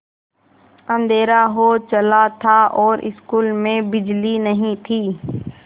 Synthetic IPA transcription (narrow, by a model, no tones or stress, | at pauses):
ɐ̃nd̪ʱeːɾaɦot͡ʃəlat̪ʰaʔɔːɾɪ̰skuːlmẽbɪd͡ʒlinəɦĩt̪ʰiː